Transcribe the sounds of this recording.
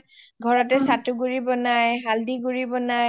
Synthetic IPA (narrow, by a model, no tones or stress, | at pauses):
ɡʱɔɹɔtɛsatuɡuɹibɔnajɦaldiɡuɹibɔna